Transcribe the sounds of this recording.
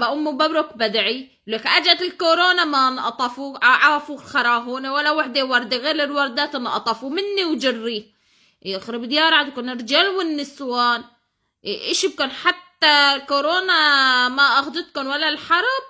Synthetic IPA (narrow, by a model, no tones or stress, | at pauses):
baʔʊmːubabɾokbad̪ʕi | lekʔad͡ʒat̪ɪlkoɾoːnamanʔɑt̪ˤɑfuʕaʕaːfuxɑɾˤɑːɦuːnewalːawɪħd̪ewɑɾˤd̪eɣeːɾɪlwɑɾˤd̪aːt̪ɪnʔɑ̰t̪ˤɑfumɪnːiwd͡ʒɪrːi | xɾɪbd̪jaːɾˤɑʕad̪kʊnɪɾd͡ʒaːlwɪnːɪswaːn | ʔɪʃib̚kʊnħat̪ːalkoɾoːnamaʔaxd̪ɪt̪kʊnwalːalħɑɾˤb̚